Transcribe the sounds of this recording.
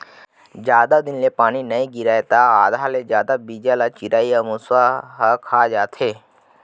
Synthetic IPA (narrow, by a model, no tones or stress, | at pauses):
d͡ʒjaːd̪ad̪ɪnleːpaːninəĩɡɪɾaːet̪aːaːd̪ʱaːled͡ʒjaːd̪abiːd͡ʒalaːt͡ʃɪɾaːiamʊswaɦkʰaːd͡ʒaːt̪ʰeː